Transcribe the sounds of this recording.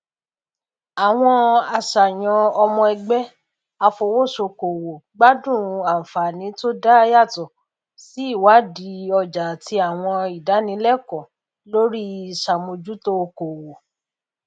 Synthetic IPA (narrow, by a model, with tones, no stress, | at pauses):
a˨w̃ɔ̃˧a˧ʃa˨j̃ɔ̃˧ɔ˧mɔ̃˧ɛ˧ɡ͡bɛ˦ | a˧fo˧wo˦˨so˧ko˨wo˨ɡ͡ba˦dũ˦˨˧a˨fa˨nĩ˨˦to˦da˦˧ja˦˨tɔ˨ | si˨˦i˦˨wa˨˦di˨˧˦ɔ˧d͡ʒa˨ti˧a˨w̃ɔ̃˧i˨da˨˦nĩ˨˧˦lɛ˦˨kɔ̃˨ | lo˦ɾi˦˨ʃa˨mõ˧d͡ʒu˦to˦˧ko˨wo˨